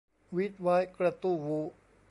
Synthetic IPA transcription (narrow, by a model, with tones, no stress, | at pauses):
wi˦˥t̪̚wa˦˥jkɾa˧t̪u˥˩wu˦˥